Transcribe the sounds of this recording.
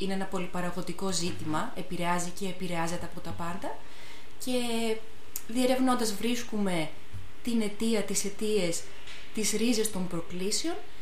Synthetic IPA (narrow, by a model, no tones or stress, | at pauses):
ineenɐpo̞lipɐɾɐɣo̞t̪iko̞zit̪imɐe̞piɾe̞ɐzice̞ːpiɾe̞ɐze̞t̪e̞ɐpo̞t̪ɐpɐnd̪ɐ | ce̞ | ðie̞ɾe̞vno̞nd̪ɐzvɾiskume̞ | t̪ine̞t̪iɐt̪ise̞t̪ie̞s | t̪izɾize̞st̪ompɾo̞klisio̞n